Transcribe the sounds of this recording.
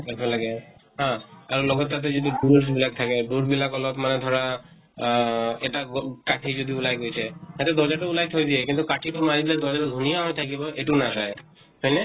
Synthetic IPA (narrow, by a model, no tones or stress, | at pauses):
kapʰelaɡeɦãaɾlɔɡɔːat̪̬ed͡ʑet̪̬uɖuɾbilak̚t̪ʰakeɖuɾbilakɔlɔbmaned̪ʱɔɾa | eʈakaʈʰid͡ʒod̪ʱiulajɡojt͡ɕʰehɛt̪ed̪ɔɾd͡ʑaʈoulajt̪ʰojd̪iekint̪ukaʈʰiʈumaɾit̪ileɾd̪ɔɾd͡ʒaʈod̪ʱunijaɦojt̪ʰakibɔeʈunaʃaj | ɦɔjne